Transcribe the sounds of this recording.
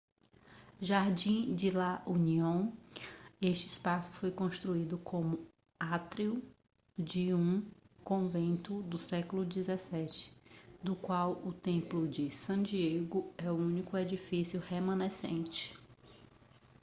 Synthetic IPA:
ʒaɾd͡ʒĩd͡ʒɪlaʔũniõw̃ | eʃt͡ʃɪɪspasʊ̥fojkõst̪ɾuid̪ʊkʰõmʊ | at̪ɾiuʊ | d͡ʒɪũkõvẽnt̪ʊd̪ʊsɛkʊlʊd͡ʒizɛsɛt͡ʃɪ̥d̪ʊkwawʊt̪ẽplʊd͡ʒɪsɐ̃d͡ʒieɡʊɛʊũnikʊed͡ʒifisjʊhemɐ̃nesḛ̃t͡ʃɪ̥

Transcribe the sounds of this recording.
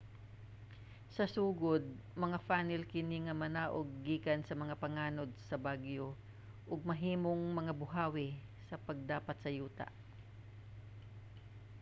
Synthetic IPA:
sɐsuːɡod̪̚mɐŋafaːnɪlkɪniŋɐmɐnaːʔoɡ̚ːiːkɐnsɐmɐŋapɐŋaːnod̪̚sɐbaɡjo | ʔʊɡ̚mɐɦiːmoŋmɐŋabʊɦaːwɪ | sɐpɐɡ̚d̪aːpɐt̪sɐjuːt̪a̰ʔ

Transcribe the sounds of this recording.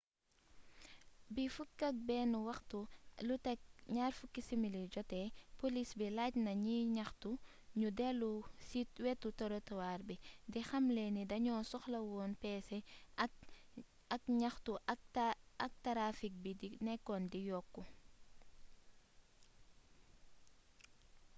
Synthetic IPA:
bifukːɐk̚bɛːnwɐxtulutɛk̚ɲaːrfukːisimilid͡ʒɔtɛpolisbilacnɐɲiɲɐxtu | ɲudɛlusitwɛtːutoɾotɔwaːɾbidixɐmlenidɐɲɔːsɔxlɐwɔːnpɛːsɛ | ɐkɲɐxtuɐɐk̚tɐɾafik̚bidinɛkːɔndijɔkːu

